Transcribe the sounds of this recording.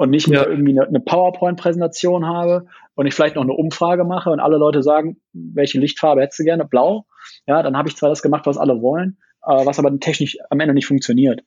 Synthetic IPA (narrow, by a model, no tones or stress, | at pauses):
ʔʊntnɪçtmeːɐʔɪɐɡŋ̩tv̥iːnənəpʰaʊɐpʰɔʏnt̚pʁ̥ɛzɛntat͡sjoːnɦaːbə | ʔʊntɪçfɪlaɪçtnɔχnəʔʊmfʁ̥aːɡəmaχəʊntʔa̰ləlɔʏtəzaːɡŋ̩ | vɛlçəlɪçtfaːɐbəhɛtəstd̥uːɡɛɐnəblaʊ | jaːdanhaːbəɪçt͡sv̥aːdasɡ̥əmaχtv̥asʔa̰ləvɔlən | ʔɛːvasʔaːbɐdtʰɛçnɪʃamʔɛndənɪçtfʊŋk̚t͡sjoniːɐt